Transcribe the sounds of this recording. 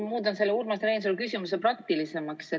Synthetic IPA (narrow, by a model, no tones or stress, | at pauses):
muːd̪ɑnselːeuːɾmɑst̪ɾejns̬olkysʲimus̬eprɑkt̪ilise̞mɑkse